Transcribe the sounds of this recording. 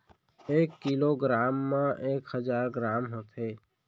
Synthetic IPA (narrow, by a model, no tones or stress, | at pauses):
eːkːiloːɡɾaːmːẽʔeːkhəzaːɾɡɾaːmɦot̪ʰeː